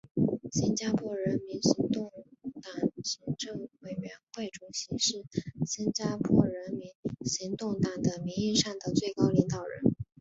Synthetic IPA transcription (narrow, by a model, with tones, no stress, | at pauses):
ɕi˥nt͡ɕja˥pʰwɔ˥ɻə˧˥nmi˧˥nɕi˧˥ŋt̪ʊ˥˩ŋt̪a˨˩ŋɕi˧˥ŋʈ͡ʂɤ˥˧ŋwe˨˩ɪɥɛ˧˥nxwe˥˩ɪʈ͡ʂu˨˩ɕi˧˥ʂɻ̩˥˩ɕi˥nt͡ɕja˥pʰwɔ˥˩ɻə˧˥nmi˧˥nɕi˧˥ŋt̪ʊ˥˩ŋt̪a˨˩ŋd̪ə˩mi˧˥ŋi˥˧ʂa˥˩nd̪ə˩t͡swe˥˩ɪkɑ˥ʊli˧˥ŋt̪ɑ˨˩ʊɻə̰˧˥n